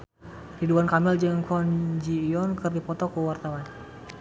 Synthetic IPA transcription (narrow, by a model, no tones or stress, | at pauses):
tiduankamɪld͡ʒəŋkɔnd͡ʒiːɔnkərdipɔt̪ɔkəwart̪awan